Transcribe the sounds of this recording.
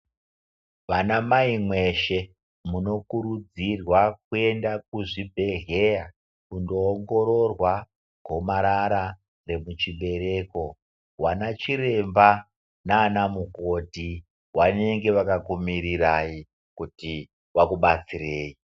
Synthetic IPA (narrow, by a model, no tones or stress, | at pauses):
ʋanamaimwe̞ʃe̞ | muno̞kuɾud͡zirwak̚ue̞ndak̚uʐibʱe̞ɮe̞ja | kundo̞ːŋɡo̞ɾo̞rwa | ɡ̥ʱo̞maɾaɾa | re̞mut͡ʃiɓe̞ɾe̞ko̞ | wanat͡ʃiɾe̞mba | naːnamuko̞ti | wane̞ŋɡe̞ʋakakumiɾirai | kuti | wakuɓat͡sireːji